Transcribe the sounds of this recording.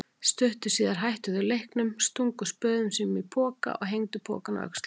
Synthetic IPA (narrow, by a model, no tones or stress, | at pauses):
st̪ʏht̪ʏ̥siːðaɾ̥ɦajht̪ʏðʏlejhknʏmst̪uŋkʏspœːðʏmsiːnʏmipʰɔːka̰ʔɔ̰ɣɦejŋt̪ʏpʰɔ̰ːkana̰œ̰kst̪l